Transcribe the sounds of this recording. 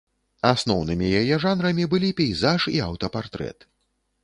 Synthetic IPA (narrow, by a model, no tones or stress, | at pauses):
asnɔwnɨmʲijajɛʐanɾɐmʲibɨlʲipʲɛjzaʐiawt̪ɐpart̪ɾɛ̰t̪